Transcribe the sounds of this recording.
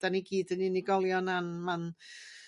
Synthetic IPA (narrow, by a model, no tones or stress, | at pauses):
d̥aniɡiːdəniniɡɔlˠjɔnanman